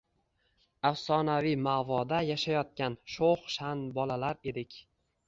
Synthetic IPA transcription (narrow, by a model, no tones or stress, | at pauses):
afsɒnavijmavɒd̪ajaʃajɒt̪̚kʲanʃoχʃanbɒlalaɾe̞d̪ɪkʲ